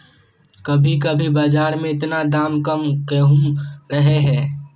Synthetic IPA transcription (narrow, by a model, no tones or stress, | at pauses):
kəbʱikəbʱibaːd͡ʒaːɾmẽɪt̪nad̪aːmkəmkeɦuɾəɦeɦɛː